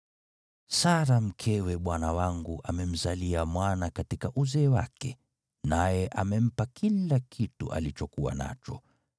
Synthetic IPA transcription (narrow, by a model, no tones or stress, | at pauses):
saɾam̩kʰɛwɛɓwanawaŋɡuʔamɛm̩zaliamwanakatikaʔuzɛːwa̰kɛ | najɛʔamɛm̩pakilakitṵʔa̰lit͡ʃɔkuwa̰na̰t͡ʃɔ